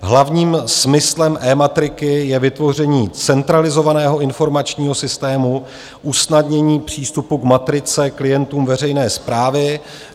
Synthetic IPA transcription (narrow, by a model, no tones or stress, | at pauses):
ɦlavɲiːmsmɪslɛmʔɛːmat̪ɾɪkɪjɛvɪt̪vo̞r̝ɛɲiːt͡sɛnt̪ɾalɪzo̞vanɛːɦo̞ɪnfo̞ɾmat͡ʃɲiːɦo̞sɪst̪ɛːmu | ʔusnad̪ɲɛɲiːpr̝̥iːst̪upukmat̪ɾɪt͡sɛklɪjɛnt̪uːmvɛrɛjnɛːspɾaːvɪ